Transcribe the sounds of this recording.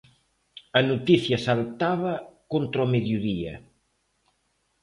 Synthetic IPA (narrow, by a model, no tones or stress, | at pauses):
ɐnut̪iθjɐsalt̪aβɐkont̪ɾomeðjuðiɐ̰